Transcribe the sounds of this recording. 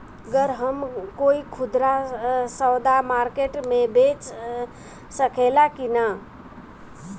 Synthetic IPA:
əɡəɾɦəmkoikʰud̪ɾasəwd̪amaɾkeʈmebet͡ʃ | səkʰelakina

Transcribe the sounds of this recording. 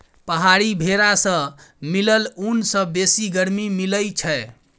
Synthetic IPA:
pəɦaɾibʱeɾasə̃miləlunsə̃besiɡəɾmimiləjt͡ʃʰɛ

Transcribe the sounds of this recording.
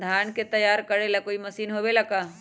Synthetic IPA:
d̪ʱaːnket̪ɐjaːɾkəɾelakoːimɐsiːnɦoːbelakaː

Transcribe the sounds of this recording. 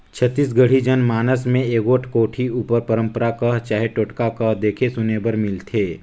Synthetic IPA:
t͡ʃʰət̪ːiːsɡəɽ̤id͡ʒənmaːnəsmẽeːɡoːʈʰkoːʈʰiuːpəɾpəɾə̃mpəɾakɐɦt͡ʃaːɦeʈoːʈkakɐɦd̪eːkʰesʊneːbəɾmɪlt̪ʰeː

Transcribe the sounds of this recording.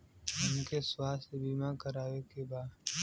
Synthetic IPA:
ʊmkeːswaːsbiːmãːkəɾaːʋeːkeːbaː

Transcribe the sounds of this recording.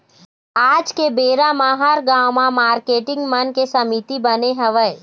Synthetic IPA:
aːd͡ʒkebeːɾamãɦaɾɡãːwmãmaːɾkeːʈɪ̃ŋɡmɐnkesɐmit̪ibəneɦɐʋəe

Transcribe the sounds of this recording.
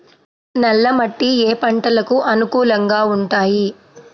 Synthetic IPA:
nɐlːɐmɐʈːieːpɐɳʈɐlɐkuʔɐnukuːlɐŋɡaːuɳʈaːji

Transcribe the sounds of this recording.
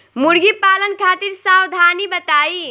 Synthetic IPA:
muɾɡipaːlənkʰaːt̪iɾsawd̪ʱanibət̪aːi

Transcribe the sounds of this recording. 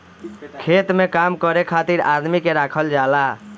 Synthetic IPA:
kʰet̪mekamkəɾekʰat̪iɾad̪mikeɾakʰəld͡ʒala

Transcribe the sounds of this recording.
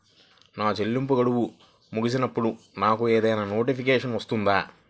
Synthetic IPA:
naːt͡ʃelːimp̬uɡɐɽuwu | muɡisinɐpːuɽu | naːkueːd̪ɐjnaːno̞ːʈipik̬eːʂɐnʋɐst̪und̪aː

